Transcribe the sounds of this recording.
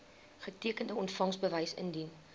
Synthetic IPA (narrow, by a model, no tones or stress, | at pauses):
χətiəkəndəɔntfɐŋsbəvəjsə̰ndin